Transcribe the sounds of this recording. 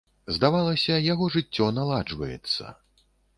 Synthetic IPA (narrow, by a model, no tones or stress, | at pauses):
zd̪avalˠɐsʲɐjaɣɔʐɨt͡sʲːɔnalˠad͡ʐvɐjɛ̰t̪sːɐ̰